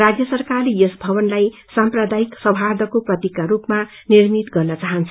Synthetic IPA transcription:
rad͡zjʌsʌrkalijesbʱʌbʌnlaj | samprʌd̪ajiksʌbʱard̪ʱʌkoprʌt̪ikːaɾupma | nirmit̪ɡʌrnʌt͡saɦʌnt͡sʰʌ

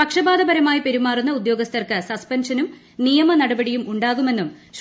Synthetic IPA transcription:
pɐkʂɐbaːd̪ɐbɐɾɐmaːjipe̞ɾumaːrunːɐud̪jo̞ːɡɐst̪ʰɐrkɨsɐspɐnʂɐnum | nijɐmɐnɐɽɐbɐɽijumuɳɖaːɣume̞nːumɕ

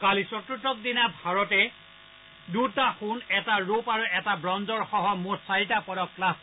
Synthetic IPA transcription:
kalisɔtɹutɔk̚dinabʱaɹɔtɛ | dutaxunɛtaɹopaɹuɛtabɹɔnzɔɹxɔɦɔmuɹsaɹitapɔdɔkklab

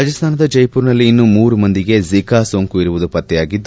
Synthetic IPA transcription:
aːd͡ʒɐst̪ʰaːnɐd̪ɐd͡ʒɐjpuːɾnɐlːiːnːumuːɾumɐnd̪iɡe̞zikaːsoːŋkuiɾuʋud̪upɐt̪ːɛjaːɡid̪ː

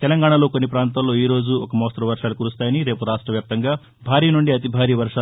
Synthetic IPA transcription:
t̪ɛlɐŋɡaːɳɐlo̞ːkonːipɾaːnt̪ɐmlo̞ːiːɾo̞ːd͡ʒuɔkɐmoːst̪ɾɐʋɐɾʂaːlukuːɾust̪aːjɐniɾe̞ːpuɾaːʂʈɾɐʋjaːp̚t̪ɐŋɡaː | bʱaːɾiːnuɳɖiɐt̪̬ibʱaːɾiːʋɐɾʂaː

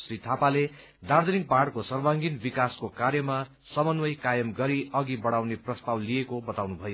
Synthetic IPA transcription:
srit̪ʰapale | d̪ard̪ʱʌnik̚paɽkosʌrbãŋɡinbikaskokarjʌma | sʌmʌnwʌjkajʌmɡʌɾiʌɡibʌɽawneprʌst̪awlijekobʌt̪awnubʱʌjo

